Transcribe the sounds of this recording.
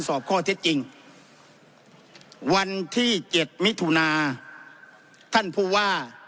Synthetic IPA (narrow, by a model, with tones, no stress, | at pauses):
nsɔː˨˩p̚kʰɔː˧˩t̪ʰe˦˥t̪̚t͡ɕi˧ŋ | wa˧nt̪ʰiː˥˩t͡ɕe˨˩t̪̚mi˦˥t̪ʰːuː˧naː˧ | t̪ʰa˥˩npʰuː˧˩waː˥˩